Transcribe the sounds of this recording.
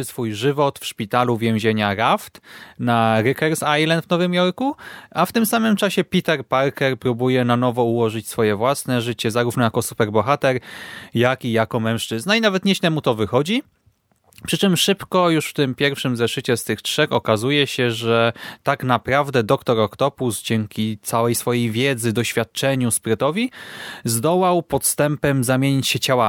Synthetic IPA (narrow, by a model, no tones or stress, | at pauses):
sfujʐɘvɔt̪fʂpʲit̪aluvʲjẽw̃ʑeɲaɾaft̪naɾɘkɛɾsajlɛnvnɔvɘmjɔɾkuaft̪ɘmsamɘmt͡ʂaɕɛpʲit̪ɛɾpaɾkɛɾpɾubujɛnanɔvɔuwɔʐɘt͡ɕsfɔjɛvwasnɛʐɘt͡ɕɛzaɾuvnɔjakɔsupɛɾbɔxat̪ɛɾjakijakɔmɛ̃w̃ʂt͡ʂɘznainavɛt̪ɲɛɕnɛmut̪ɔvɘxɔd͡ʑi | pʂɘt͡ʂɘmʂɘpkɔjuʂft̪ɘmpʲjɛɾfʂɘmzɛʂɘt͡ɕɛst̪ɘxʂɛxɔkazujɛɕɛʐɛt̪aknapɾavd̪ɛd̪ɔkt̪ɔɾɔkt̪ɔpusd͡ʑɛŋkʲit̪sawɛjsfɔjejvʲjɛd̪zɘd̪ɔɕfʲjat̪̚t͡ʂɛɲuspɾɘt̪ɔvʲizd̪ɔwawpɔt̪st̪ɛmpɛmzamʲjeɲit͡ɕɕɛt͡ɕawa